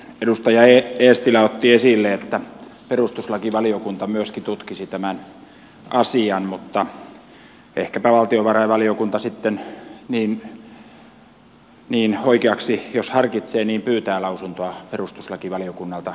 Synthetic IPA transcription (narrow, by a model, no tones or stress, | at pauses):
edust̪ɑjɑeeːst̪ilæot̪ːiesilːeet̪ːæperust̪uslɑkiʋɑliokunt̪ɑmyøskit̪ut̪kisit̪æmæn | ɑsiɑnmut̪ːɑ | ehkæpæʋɑlt̪ioʋɑrɑiʋɑliokunt̪ɑsit̪ːenniːn | niːnhoikeɑksijoshɑrkit̪seːniːmpyːt̪æːlɑusunt̪oɑperust̪uslɑkiʋɑliokunːɑlt̪ɑ